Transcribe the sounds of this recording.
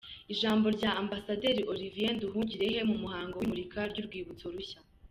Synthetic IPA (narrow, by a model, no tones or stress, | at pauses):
iʒaːmbo̞ɾɟaʔambasade̞ɾiʔo̞ɾivienduɦuːɲɟiɾe̞ɦe̞mumuhaːŋɡoimuɾikʰaɾɟuɾɡwiːβut͡so̞ɾuɕa